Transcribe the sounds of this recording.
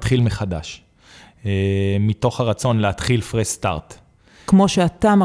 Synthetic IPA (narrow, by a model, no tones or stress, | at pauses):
t̪χilmeχad̪a̰ʃ | emit̪o̞χhaʁat͡so̞nleat̪χilfʁesst̪a̰ʁt̪ | kmoʃeat̪am